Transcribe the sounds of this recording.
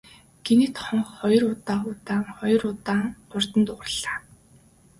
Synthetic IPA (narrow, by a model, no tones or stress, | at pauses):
ɡ̥enit̪χɔɴχχɔjɞ̆rʊt̪aːχʊt̪aːŋχɔjɞ̆rʊt̪aːŋʊr̥t̪ə̆nt̪ʊʁrə̆ɮaː